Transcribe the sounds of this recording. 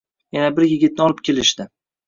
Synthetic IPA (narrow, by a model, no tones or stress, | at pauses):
janabɪɾjɪɡʲɪt̪̚nɪɒlˠɪp̚kʲʰe̞lɪʃd̪ɪ